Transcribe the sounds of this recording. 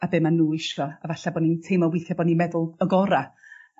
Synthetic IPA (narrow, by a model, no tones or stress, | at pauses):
abɪmanːuːɪʃrɔavaɬabɔnintʰejmɔwɪθjabɔninmɛðʊlˠəɡɔɾa